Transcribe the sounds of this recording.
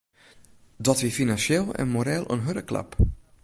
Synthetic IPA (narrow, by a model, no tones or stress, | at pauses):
dɔtʋiəfinansjelˠɛ̰nmoɾɛlˠʔə̰nɦøɾəkla̰p